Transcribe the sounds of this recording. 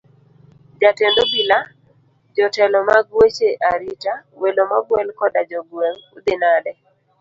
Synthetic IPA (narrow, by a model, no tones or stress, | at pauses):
d͡ʒatendobila | d͡ʒɔtɛlɔmaɡwet͡ʃeʔaɾitawelomaɡwɛlkɔdad͡ʒɔɡweŋud̪enadɛ